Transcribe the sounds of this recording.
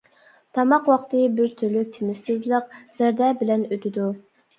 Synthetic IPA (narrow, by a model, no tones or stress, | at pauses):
t̪ʰɑmɑqwɑχt̪ɨbɪɾt̪ʰyɾlyk̚ʲt̪ʰemɪsɪzlˠəq̚z̥æɾd̪ɛbɪlɛnøt̪ɪd̪u